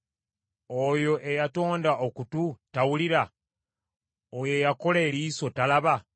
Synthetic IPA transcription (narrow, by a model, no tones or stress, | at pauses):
ojo̞ʔe̞jato̞ːndaʔokututawuliɾa | ojojako̞leːɾiːso̞talaβa